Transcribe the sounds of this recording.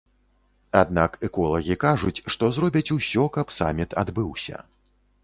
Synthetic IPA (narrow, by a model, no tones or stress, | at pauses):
ad̪nakɛkɔlˠɐɣʲikaʐut͡sʲʂt̪ɔzɾɔbʲɐt͡sʲusʲɔkɐpsa̰mʲit̪ʰa̰d̪bɨwsʲɐ̰